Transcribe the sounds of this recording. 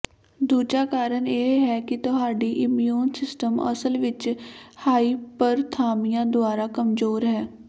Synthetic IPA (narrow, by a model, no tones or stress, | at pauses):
d̪uːd͡ʒaːkaːɾəneːɦɛːkɪt̪ʊɦaːɖiːʔɪmjuːnsɪsʈəmə̰səlʋɪt͡ʃhaːiːpəɾt̪ʰaːmɪjãːd̪ʊaːɾaːkəmzoːɾɦɛː